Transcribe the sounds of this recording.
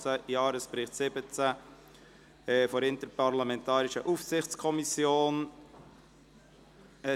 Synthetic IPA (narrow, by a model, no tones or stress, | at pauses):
t͡səjɑːɾəspɾɪχtsɪbət͡sə | fɔɾɪntəpɑɾlamɛntɑːɾɪʃəʔufsɪχt͡skʰɔmisjoːn